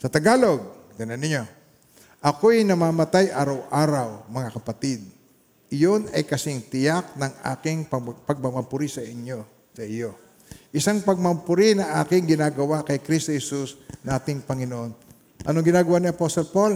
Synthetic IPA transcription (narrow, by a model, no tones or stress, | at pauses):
sɐt̪ɐɡaːlo̞ɡ̚kɐnanɪɲo̞ | ʔɐkojnɐmaːmɐt̪ajʔaːɾɐwʔaːɾɐwmɐŋakɐpɐt̪ɪd̪̚ | ʔɪjonɐjkɐsɪŋt̪ɪjak̚nɐŋʔa̰ːkɪŋpɐpɐɡ̚mɐmɐmpʊɾisɐʔɪɲjo̞ | sɐʔɪjo̞ | ʔɪsaŋpɐɡ̚mɐmpʊɾinɐŋʔa̰ːkɪŋɡɪnaːɡɐwakɐjkɾist̪ohɛsusnaːt̪ɪŋpɐŋɪnoʔon | ʔɐ̰noŋɡɪnaːɡɐwaʔniɐpost̪olpol